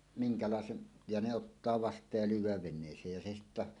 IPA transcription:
miŋkɑlɑˑesen jɑ ne otːɑː ʋɑstˑɑːj jɑ lyːwˑæːʋ ʋenˑeˑisˑeːj jɑ se sitːæ

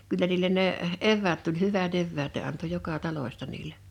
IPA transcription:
kylːæ niːlˑen neʔ eʋːæːt tulʲ hyʋæt eʋːæːt ne ɑnto jokɑ tɑloĭstɑ niːle

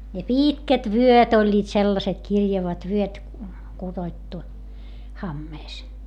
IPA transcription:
jɑ piːtkæt ʋyøt olʲːiːt selːɑset kirjɑʋɑt ʋyøt kud̥oĭtːu hɑmːeːs

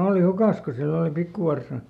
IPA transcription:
oˑli hukɑs ko silː oli pikːuʋɑrsɑ

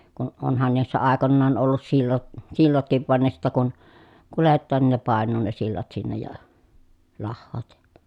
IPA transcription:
kun onhɑn niːsːæ ɑˑekonːɑːn olːus silːo silːotkiʋ ʋɑn ne sitːæ kun kuletːɑːn nin ne pɑˑenˑuː ne silːɑt sinːej jɑ lɑhːoːt jɑ̥

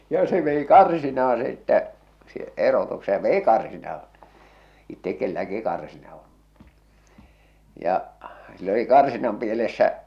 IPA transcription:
jɑ se ʋei kɑrsinɑːɑ̃ sitːæ si erotukse jɑ ʋei kɑrsinɑːɑ̃ itːek kelːæki kɑrsinɑ on̞ jɑ silː oli kɑrsinɑm pielesːæ

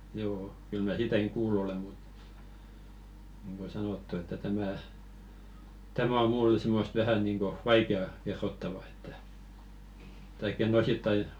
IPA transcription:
joː kyl mæ siːtækiŋ kuːlːu ole mut nĭŋɡ̊o sɑnotːu etːæ tæmæˑ tæmæ o mulːĕ simːost ʋæhæ niŋɡ̊o ʋɑikeɑ kerːotːɑʋɑ etːæ tɑikː enˑ ositːɑi

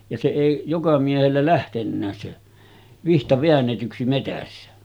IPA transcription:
jɑ se eˑi jokɑ miehelːæ læhtenːæːs se ʋihtɑ ʋeænːetyksi metæsːæ

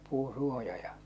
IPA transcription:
puːũ suojɑ jɑ

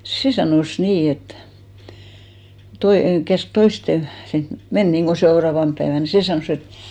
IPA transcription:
se sɑnoˑs niː et toi kæsk toisten̞ sin men niŋɡ̊o seorɑːʋɑmp pæeʋæn se sɑnoˑs et

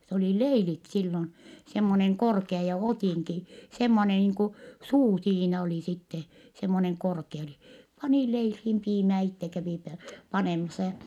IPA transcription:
s oliˑ leilit silːon semːoneŋ korkeɑ jɑ otiˑŋki semːone niːŋ ku suː siːnæ oli sitːe semːoneŋ korke oli pɑniˑ leilhiːm piːmæː itːe kæʋiˑ pe pɑneˑmɑsɑ jɑ

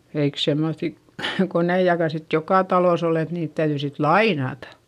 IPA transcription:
eik semːoθi koneijɑkɑ sit jokɑˑ tɑloˑs ol et niːt tæyðyi sit lɑinɑtɑ̥

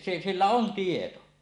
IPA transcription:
se silːæ on tieto

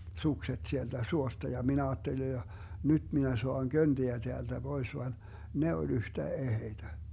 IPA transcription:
sukset sieltæ suostɑ jɑ min ɑːtːeli jɑ nyd̥ minæ soɑŋ kønd̥iæ teæld̥æ b̥ois ʋɑn ne olʲ yhtæ eheitæ

